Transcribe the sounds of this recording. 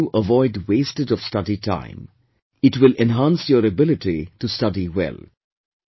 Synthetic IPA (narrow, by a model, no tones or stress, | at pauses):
uʔəʋɔɪɖweːstɨdɔfstʌdiʈʰã̰ɪ̃m | ɪʈwɪlɛ̃nɦãnsjəɾəbɪlɪʈiʈustʌdiwɛ̰l